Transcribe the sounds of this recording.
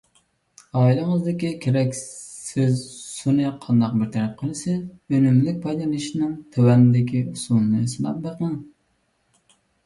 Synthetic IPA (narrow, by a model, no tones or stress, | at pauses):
ɑːilɨŋəzd̪ɪkʲikʲʰeɾɛkʲsɪzsunɨqʰɑnd̪ɑq̚bɪɾt̪ʰɛɾɛp̚qʰəlˠɨsɪønymlyk̚ʲpʰɑjlɑnɨʃinɨŋt̪ʰøwɛnɪd̪ɪkʲʰiusunɨnɨsɨnɑ̰p̚beqɨŋ